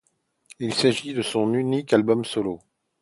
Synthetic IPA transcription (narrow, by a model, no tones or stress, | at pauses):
ilsaʒid̪əsɔ̃nynikalbɔmsɔlo